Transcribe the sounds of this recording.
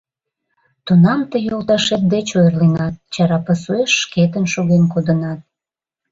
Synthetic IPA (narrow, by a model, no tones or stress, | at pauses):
t̪unɑmt̪əjolˠt̪ɑʃet̪̚d̪et͡ɕojərlenɑt̪̚t͡ɕɑɾɑpəsueʃːket̪̬ənʃoɣenkod̪ənɑt̪̚